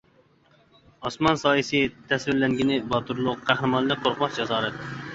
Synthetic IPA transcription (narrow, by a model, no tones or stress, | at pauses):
ɑsmɑnsɑːjisɪt̪ʰɛswɪɾlɛŋɡʲinɪbɑt̪ʰuɾlˠʊqqʰːæhɾɨmɑnlˠɪk̚ʲqʰoɾqɑχd͡ʒɑzɑːɾɛt̪̚